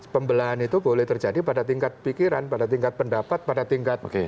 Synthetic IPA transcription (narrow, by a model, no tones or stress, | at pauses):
pəmbəlaanit̪ubolɛht̪ərd͡ʒadipadat̪iŋkat̪̚pikiɾanpadat̪iŋkat̪̚pəndapat̪̚padat̪iŋkat̪̚oke